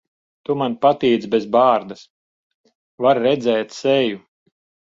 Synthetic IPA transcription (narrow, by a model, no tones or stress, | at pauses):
t̪umanpat̪iːd̪zbʲezbaːɾd̪as | vaɾːɛd̪zɛːt̪sɛju